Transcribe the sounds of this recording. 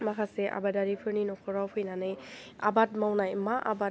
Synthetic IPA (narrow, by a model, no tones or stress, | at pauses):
makʰaseʔa̰badaɾipʰɯɾninɔkʰɔɾawpʰɯjnanɯja̰bat̚mawnajmaʔa̰ba